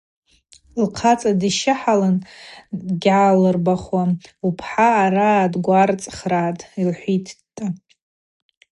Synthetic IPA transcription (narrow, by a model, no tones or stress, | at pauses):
lqʰat͡sʼadiʃɪħalandɡʲʕalɨrbaχwaupʰħaːɾadɡʷart͡sʼχraːtʼilħʷitʰtʼːa